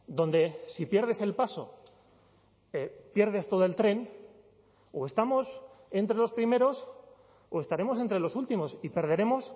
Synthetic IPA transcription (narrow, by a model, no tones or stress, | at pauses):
d̪õ̞nd̪e̞sipje̞ɾðe̞se̞lpaso̞ | epje̞ɾð̞e̞st̪o̞ðo̞e̞lt̪ɾe̞n | oe̞st̪amo̞se̞nt̪ɾe̞lo̞spɾime̞ɾo̞s | oe̞st̪aɾe̞mo̞s̬e̞nt̪ɾe̞lo̞sult̪imo̞sipe̞ɾð̞e̞ɾe̞mo̞s